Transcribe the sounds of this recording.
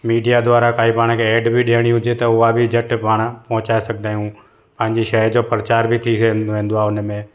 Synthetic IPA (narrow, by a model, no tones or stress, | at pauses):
miːɖijad̪ʊʋaːɾakaːipaːɽ̃keeːɖbʱiɗeːɽ̃ĩɦʊd͡ʒet̪ɐʊabʱid͡ʒəʈpaːɳ̃pɐ̃ɦʊ̃t͡ʃaːesɐk̚ʰd̪aːɦjũ | pɐ̃ɦɪ̃ɲd͡ʑiʃəɦɾd͡ʒoːpɾət͡ʃaːɾbʱit̪ʰisnoɦẽːnd̪oaʊnmẽː